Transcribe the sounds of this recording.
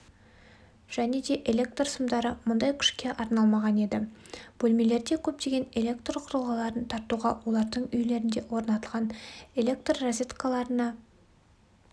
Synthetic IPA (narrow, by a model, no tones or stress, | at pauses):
ʒ̥æne̞d̪e̞ʔelʲe̞k̚t̪rsəmd̪ɑɾəmʊnd̪ɑjkʲʰʏ̥ʃkʲe̞ʔɑɾnɑlˠmɑʁɑne̞d̪ɪb̥ɵlʲme̞le̞ɾd̪e̞kʲʰɵp̚t̪e̞ɡʲe̞ne̞lʲe̞k̚t̪rqʰʊɾəlˠʁɑlˠɑɾənt̪ʰɑɾt̪uʁɑwo̞lˠɑɾd̪əɴʏjle̞ɾɪnd̪e̞wo̞ɾnɑt̪əlˠʁɑne̞lʲe̞kt̪rːozʲet̪kalˠɑɾənɑ